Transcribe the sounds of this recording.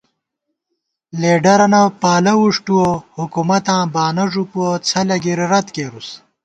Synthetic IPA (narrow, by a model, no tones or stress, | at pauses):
leːɖɐɾɐnɐpaːlɐwuʂʈuohukumɐt̪ãːbaːnɐʐupuot͡sʰɐlɐɡiɾiɾɐt̪keːɾus